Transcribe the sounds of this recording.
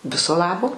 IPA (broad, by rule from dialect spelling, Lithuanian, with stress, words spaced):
ˈʋʲɪsoː ˈlˠɑːboː